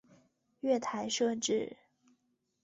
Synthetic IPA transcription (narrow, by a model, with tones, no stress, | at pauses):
ɥɛ˥˩t̪ʰa˧˥ɪʂɤ˥˧ʈ͡ʂɻ̩˥˩